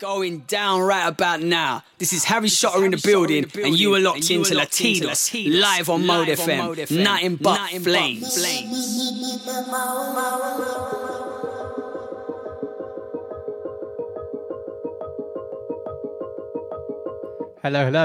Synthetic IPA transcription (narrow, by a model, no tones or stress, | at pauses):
ɡ̥oʊɪ̃ŋdãʊ̃nɹaɪtəbaʊʔnaʊðɪsɪz̥haɹiʃɒʔəɹɪ̃nðəbɪlˠdɪ̃ŋə̃njəwəlɒkɪ̃nəətʰĩːnʰlaɪvə̃n̩moʊlˠdɛfɛ̃mmnətɪ̃nbʌtɪ̃nblẽɪ̃nb̥lẽɪ̃m | hɛloʊɛloʊ